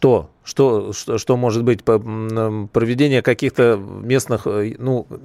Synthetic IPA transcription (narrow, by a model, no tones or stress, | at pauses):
ʂt̪o̞ | ʂt̪oʂt̪ʂt̪o̞mo̞ʐɨt̪bɨtʲəəpɾəvʲɪdʲenʲɪjəkɐkʲixt̪əmʲesnɨxnu